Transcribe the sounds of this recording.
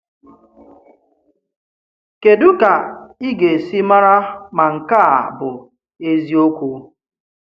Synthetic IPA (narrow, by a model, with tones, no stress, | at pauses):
ke˨dʊ˦ka˨i˦ɡe˨si˦ma˦ɾa˦ma˨ŋ̩˨ka˦a˨bʊ˨ | e˦zi˦o˦kʷu˨˦